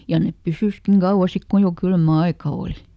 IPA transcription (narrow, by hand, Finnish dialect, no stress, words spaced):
jɑ nep pysyskiŋ ɡ̊ɑuwɑ sik ku jo kylmæ ɑikɑ oːli